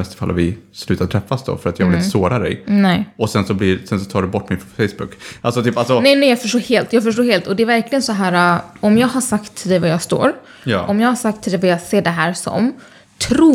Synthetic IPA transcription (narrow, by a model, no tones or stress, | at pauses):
ɛst̪ə̥fa̰la̰vɪslʉ̟ːt̪at̪ʰɾɛfːasd̪ɔ̰fœɾat̪jɑːɡvɪlɪsoːɾad̪ɛ̰jnɛɔsɛnsɔblisɛnsɔ̥t̪ʰɑːɖɛbɔʈːmɪnfɛjsbʊ̰kːʔa̰lsɔt̪ʰyːpalsɔnɛɪnɛjɑːɡfœʂʈoːɾheːlt̪jɑːɡfœʂ̬ʈoːɾheːlt̪ɔd̪ɛæɾvæɾklɪɡənsɔɦæːɾaɔmjɑːɡɦaʂakt̪ʰːɪld̪ɛvajɑːɡst̪o̰ːɾ | j̰ʔɔmjɑːɡhaʂakt̪ʰɪld̪ɛvajɑːɡseːɖɛɦæːɾsɔ̰m | t̪ʰɾuː